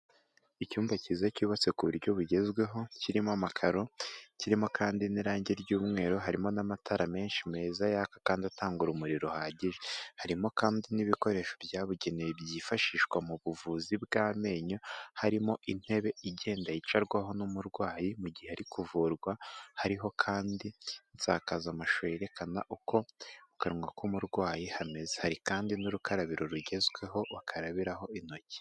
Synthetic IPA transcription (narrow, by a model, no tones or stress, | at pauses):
icuːmvacizacuːβat͡se̞kuβuɾɟo̞βuɟe̞zɡwe̞ɦo̞ciɾimamakʰaɾo̞ciɾimo̞kʰaːndiniɾaːɲɟeɾɟuːmŋe̞ːɾoɦaɾimo̞namatʰaɾame̞ːnʃime̞ːzajakakaːndiataːŋɡuɾumuɾiɾo̞haːɟeʒehaɾimo̞kaːndiniβiko̞ɾe̞ːʃo̞bjaːβuɟe̞nejebjiːfaʃiːʃkwamuβuvuzibɡame̞ːɲohaɾimo̞ʔin̥he̞βe̞iɟe̞ːndajit͡ʃaɾɡwaɦo̞numuɾɡwaːjimuɟiheaɾikuvuːɾɡwahaɾiɦo̞kʰaːndinza̰ːkazamaʃojeɾe̞kʰana̰ʔuko̞ukaɾŋwakumuɾɡwaːjihame̞zehaɾikaːndinuɾukaɾaβiɾoɾuɟe̞zɡwe̞ɦo̞βakʰaɾaβiɾaɦo̞ino̞ci̥